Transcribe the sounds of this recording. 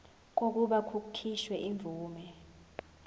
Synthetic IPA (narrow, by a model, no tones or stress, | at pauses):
k̬ok̬uɓakʰukʰiʃwɛʔiɱb̪vʱuːmɛ